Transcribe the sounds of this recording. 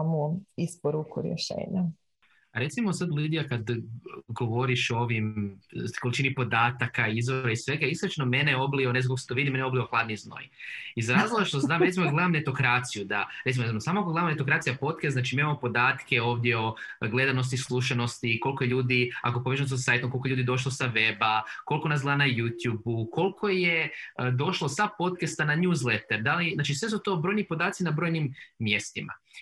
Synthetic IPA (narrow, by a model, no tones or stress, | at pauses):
muispoɾukuɾjḛʃḛːɲa | aɾe̞t̪simo̞sad̪lid̪ijakad̪ɡo̞ʋo̞ɾiʃoʋim | ko̞lit͡ʃiːnipo̞d̪aːt̪akaizʋoɾaisʋe̞ɡaisɾot͡ʃnome̞neo̞blionezakokose̥t̪oʋid̪ime̞neoblioxlˠaːd̪nizno̰jizɾaːzlˠoɡaʃt̪ozamɾe̞t̪imoɡle̞d̪amne̞t̪o̞kɾaːt̪sijud̪aɾet̪ioemosaːmoakoɡled̪amnet̪o̞kɾaːt̪sijapo̞t̪kɛst̪at͡ʃimimamopo̞d̪aːt̪ke̞o̞ːʋd̪jeo̞ɡle̞d̪ano̞st̪islˠuʃano̞st̪iko̞lkoje̞ʎuːd̪ia̰kopoeʒsos̬sajet̪omkolˠkoʎuːd̪id̪o̞ʃ̬lˠosaʋebako̞lˠko̞nasɡ̪lanajut̪jubuko̞lkʰo̞jed̪o̞ʃlˠosapo̞t̪kast̪ananuːzlet̪eɾd̪aliznaːt͡ʃisʋe̞s̬ut̪o̞bɾo̞jnipod̪aːt̪sinabɾojnimːje̞st̪ima̰